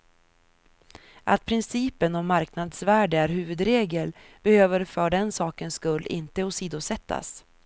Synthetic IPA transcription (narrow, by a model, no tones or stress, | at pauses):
ʔa̰t̪̚pʰɾɪnsiːpənɔmːaɾknad̪svæːɖəæɾɦʉ̟ːvɵd̪ɾeːɡəl | b̥ɛhøːvəɾfœɖɛnsɑːkənskɵlːɪ̰nt̪əɔsiːd̪ʊsɛt̪ːa̰s